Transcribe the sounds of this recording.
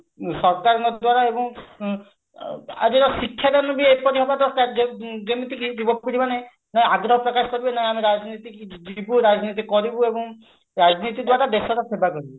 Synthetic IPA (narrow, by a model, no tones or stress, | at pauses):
sɔɾkaɾɔnɔd̪waɾaebɔŋ | a̰d͡ʒeɾɔsikʰːjad̪anɔbiepɔɾiɦɔbat̪ɔt̪ad͡ʒed͡ʒemit̪ikkibɔppuɾimane | naĩaɡɾɔɦɔpɾɔkaskɔɾibenaɦĩamiɾad͡ʒnit̪ikd͡ʒibuɾad͡ʒnit̪ikɔɾibuebɔŋ | ɾad͡ʒnit̪id̪waɾad̪eʃɔɾɔpʰebakɔɾibɔ